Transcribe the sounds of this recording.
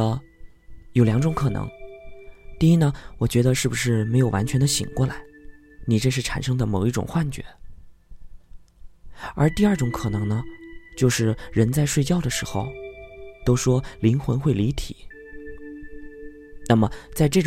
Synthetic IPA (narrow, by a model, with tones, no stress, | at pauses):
jo˨˩ʊljɑ˧˥ŋʈ͡ʂʊ˧˥ŋkʰɤ˨˩nɤ̰˧˥ŋ | t̪i˥˧i˥nə˧˨wɔ˨˩t͡ɕɥɛ˧˥d̪ə˧ʂɻ̩˥˩bu˨˩ʂɻ̩˥˩me˧˥ɪjo˨˩ʊwa˧˥nt͡ɕʰɥɛ˧˥nd̪ə˧ɕḭ˨˩ŋkwɔ˥˩la˧˥ɪ | ni˨˩ʈ͡ʂɤ˥˧ʂɻ̩˥˩ʈ͡ʂʰa̰˨˩nʂɤ˥ŋd̪ə˨mo˨˩ʊi˥˩ʈ͡ʂʊ̰˨˩ŋxwa˥˩nt͡ɕɥɛ̰˧˥ | ə̰˞˧˥t̪i˥˧ɐ˞˥˩ʈ͡ʂʊ˧˥ŋkʰɤ˨˩nɤ˧˥ŋnə˧t͡ɕjo˥˧ʊʂɻ̩˥˩ɻə˧˥nt͡sa˥˧ɪʂwe˥˧ɪt͡ɕjɑ˥˩ʊd̪ə˩ʂɻ̩˧˥xo˧ʊt̪o˥ʊʂwɔ˥li˧˥nxwə̰˧˥nxwe˥˩ɪli˧˥t̪ʰḭ˨˩˦ | na˥˩mə˩t͡sa˥˧ɪʈ͡ʂɤ˥˩ʈ͡ʂ